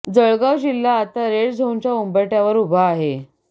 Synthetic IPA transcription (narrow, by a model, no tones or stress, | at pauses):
d͡zəɭɡaʋd͡ʑilːaːt̪aɾeɽd͡zʱoɲt͡ɕjaumbəjʈjaʋəɾubʱaːɦe